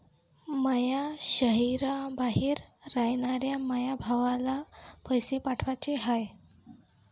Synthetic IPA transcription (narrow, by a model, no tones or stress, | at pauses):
məjaɕəɦiɾabaɦiːɾːajɳaɾjaməjabʱaʋalapəjsepaʈʰʋat͡ɕeɦaj